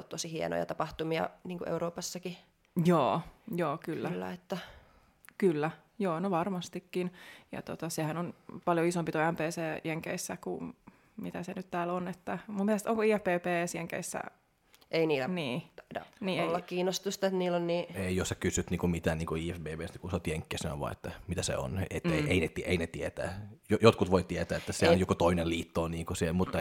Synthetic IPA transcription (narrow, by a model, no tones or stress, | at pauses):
lt̪t̪osihiḛno̰jɑ̰t̪ɑpɑht̪umiɑ̰niːŋkuʔḛuɾoːpɑsːɑki | joːjoːkylːælːæ̰et̪ːæ | kylːæ | joːnoʋɑrmɑst̪ikːinjɑ̰t̪ot̪ɑsehænonpɑljoisompit̪oæmpeːseːjʔeŋkḛisːækṵ | mit̪æsenyt̪t̪æːlonet̪ːæmumːielest̪oŋkoiːæfb̥eːpeːsjeŋkḛisːæ̰ | einiːlæniːt̪dɑ̰niːelːɑkkiːnost̪ust̪ɑet̪niːlːonniːeijossækysyt̪niːŋkumit̪æːniːŋkuiːæfbeːpeːst̪ækusot̪ʲjeŋkːeːseno̰ʋʋɑ̰iḛt̪ːæmit̪æsḛo̰netːeeinet̪iʔeinet̪iet̪æ̰ːjojot̪kut̪ʋoit̪iet̪æːet̪ːæseænjokot̪oinelliːt̪ːoːniːŋkusielmut̪ːɑ